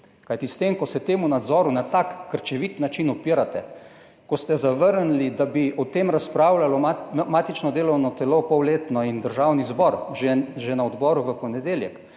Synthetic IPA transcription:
kajt̪ist̪emkɔsɛt̪eːmunad̪zɔːɾunat̪akːəɾt͡ʃɛʋit̪nat͡ʃinɔpiɾat̪ɛ | kɔst̪ɛzaʋəɾnlid̪abiʔɔt̪eːmɾaspɾaːwlalɔmaːt̪it͡ʃnɔd̪eːlɔwnɔt̪ɛlopɔwleːt̪nɔind̪əɾʒaːwnizbɔɾʒɛʒenaɔd̪bɔɾuʋəpɔnɛd̪eːljɛk

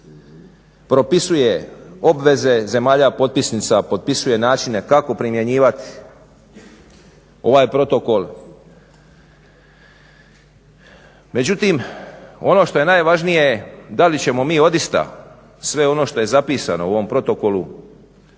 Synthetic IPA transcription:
pɾo̞pisuje̞o̞bʋe̞ze̞ze̞maːʎapo̞t̪̚pisnit̪sapo̞d̪̚pisuje̞naːt͡ʃine̞kako̞pɾimje̞ɲiːʋat̪i̥ | o̞ʋaːjpɾo̞t̪o̞ko̞lˠ | me̞d͡ʑut̪imo̞no̞ːʃt̪o̞je̞naːjʋaʒnije̞jed̪alit͡ɕe̞mo̞miːo̞d̪ist̪a̰ | sʋe̞o̞no̞ːʃt̪o̞je̞zapiːsa̰nouʋo̞mpɾo̞t̪o̞ko̞lu

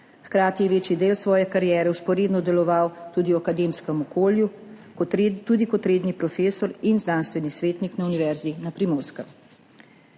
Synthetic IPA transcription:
xkɾaːt̪ijɛʋeːt͡ʃjid̪eːlsʋɔːjɛkaɾjɛːɾɛwspɔɾeːd̪nɔd̪ɛlɔʋawt̪uːd̪iwakad̪eːmskɛmɔkoːlju | t̪uːd̪ikɔt̪ɾeːd̪nipɾɔfeːsɔɾinznanst̪ʋɛnisʋeːt̪niknauniʋɛɾzinapɾimoːɾskɛm

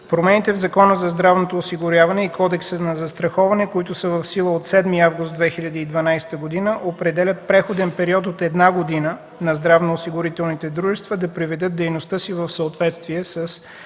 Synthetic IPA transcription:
pɾomɛnit̪ɛvzɐkɔnəzɐzd̪ɾavnot̪oːsiɡʊɾʲjavɐnɛikɔd̪ɛksənɐzɐst̪ɾɐxɔvɐnɛkoit̪ʊsəvɐfsilˠəot̪sɛd̪miavɡʊst̪̚d̪vɛxilʲɐd̪iːd̪vɐnajst̪əɡod̪inəʔopɾɛd̪ɛlʲət̪̚pɾɛxod̪ɛnpɛɾiɔt̪ot̪ɛd̪naɡod̪inə | nɐzd̪ɾavnoːsiɡʊɾit̪ɛlˠnit̪ɛd̪ɾuʒɛst̪vɐd̪ɐpɾivɛd̪ɤt̪̚d̪ɛjnost̪əsivɐfsəot̪vɛt̪st̪viɛsəs

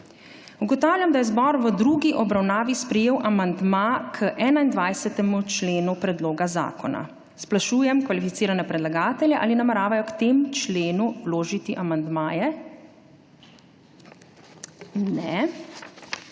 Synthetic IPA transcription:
uɡɔt̪aːwljamd̪ajɛzbɔːɾʋəd̪ɾuːɡiʔɔbɾawnaːʋispɾɛjeːwʔamand̪makʰəʔɛːnaind̪ʋajsɛt̪ɛmut͡ʃleːnupɾɛd̪loːɡaza̰ːkɔna̰ | splaʃuːjɛmkʋalifit̪siːɾanɛpɾɛd̪laɡaːt̪ɛljɛʔaːlinamɛɾaːʋajɔkt̪emt͡ʃleːnuwloːʒit̪iʔamand̪maːjɛ | nɛ

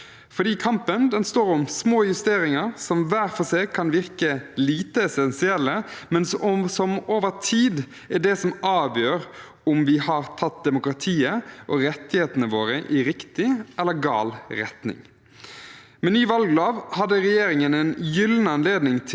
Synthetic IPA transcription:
fɔd̪iːkʰɑmpənd̪ɛnst̪oːɾʊmsmoːjʉst̪eːɾɪŋəɾsɔmʋæːɾfɔseːkʰɑnʋɪʁkəliːt̪əɛsɛnsɪɛlːəmɛnssɔmoːʋəɾt̪ʰiːd̪ | ɛɖɛsɔmʔɑːʋjøːɾ | ʊmʋɪhɑɾt̪ʰɑt̪̚d̪ɛmʊkɾɑt̪ʰiːəʔɔɾɛt̪ːɪheːt̪ənəʋoːɾəʔɪɾɪkt̪ɪʔɛlːəɾɡɑ̰ːlɾɛ̰t̪nɪ̰ŋ | mɛnyːʋɑlɡlɑːʋhɑd̪ːəɾɛjeːɾɪŋənɛnjʏlnɑnleːd̪nɪŋt̪ʰ

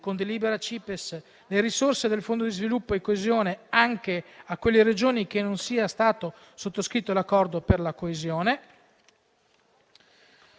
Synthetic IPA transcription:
kond̪eliːbeɾat͡ʃiːpes | leɾisorsed̪elfond̪od̪izvilupːoekːoezjoːneaŋkeakwelːeɾed͡ʒoːnik̟enonsiːast̪aːt̪o | sot̪ːoskɾit̪ːolakːɔrd̪operlakoezjoːne

